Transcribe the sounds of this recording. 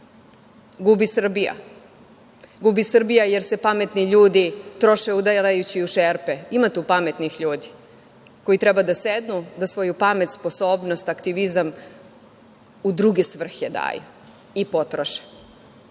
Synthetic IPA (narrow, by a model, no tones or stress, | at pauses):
ɡubisr̩bija̰ | ɡubisr̩bijajeɾsepamet̪niʎuːd̪it̪ɾo̞ʃeud̪aɾajut͡ɕiuʃeːɾpeimat̪uupamet̪nixʎuːd̪i̥ | ko̞it̪ɾɛbad̪ased̪nud̪asʋo̞jupamet̪spo̞so̞ːbnost̪akt̪iʋizam | ud̪ɾuɡesʋr̩xjed̪a̰ːjṵ | ipo̞t̪ɾoʃe̥